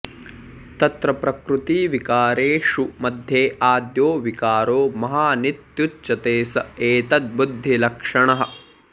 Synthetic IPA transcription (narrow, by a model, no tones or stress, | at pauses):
t̪ɐt̪ɾɐpɾɐkɾut̪iːʋikaːɾeːʂumɐd̪ʱjeːaːd̪joːʋikaːɾoːmɐɦaːnit̪jutt͡ʃːɐt̪eːsɐeːt̪ɐt̪̚bud̪ʱːilɐkʂɐɳɐɦɐ̆